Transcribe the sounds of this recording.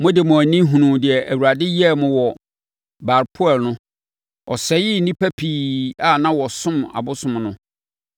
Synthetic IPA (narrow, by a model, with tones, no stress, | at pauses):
mʊ̃˦dɪ˨mʊ̃˨æ˨nĩ˦ɦũ˨nũ˨dɪ˨ɛ˨ʔæ˨wu˨ɾa˨dɪ˦jɛ˦˨mʊ̃˨wɔ˨ | ba˨ɾpʰʊ˦ɛ˨lnʊ̃˦ | ɔ˨sɛ˨˦jɪ˦nĩ˦pʰæ˦pʰiː˦˨˦a˦˨nã˦wɔ˨sʊ̃˦ma̰˨bʊ˦sʊ̃˨mnʊ̃˦